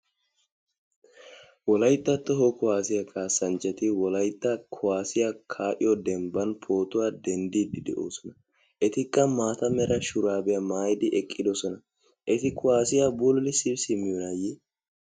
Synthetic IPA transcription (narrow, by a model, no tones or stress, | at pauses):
wɔlɐjt̪ʼːɐt̪ːɔɦɔkʊwaːsɪjɐkaːsːɐnt͡ʃʼːɛt̪ɪwɔlɐjt̪ʼːɐkʰʊwaːsɪjɐkʰaːʔɪjɔd̪ɛmbɐnpʰo̞ːt̪ʊwaːd̪ɛnd̪iːd̪ɪd̪ɛ̰ʔo̰ːsɔnɐ | ʔɛt̪ɪkʼːɐmaːt̪ɐmɛɾɐʃʊɾaːbɛjɐmaːjd̪ɪʔɛkʼːɪd̪ɔsɔnɐ | ʔɛt̪ɪkʰʊwaːsɪjabʊlːɪsɪbsɪmɪjɔnɐjɛ